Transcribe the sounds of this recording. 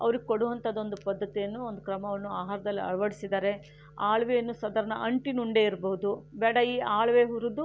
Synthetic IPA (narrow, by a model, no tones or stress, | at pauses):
ɐ̰ʋɐɾiɡekoɽuʋɐnt̪ɐaːd̪o̞nd̪upɐd̪ːɐt̪ijɐnːuond̪ukɾɐmɐʋɐnːuaːɦaːɾɐd̪ɐlːiɐ̰ɭʋɐɽisid̪aːɾe̞ | aːɭʋejɐnːusɐd̪ɐɾɐnɐ̰ʔɐɳʈinuɳɖeiɾbɐɦud̪ubɛːɽɐiːaːɭʋeɦuɾud̪u